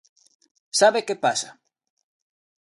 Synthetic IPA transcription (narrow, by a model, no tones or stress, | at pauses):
saβekepasa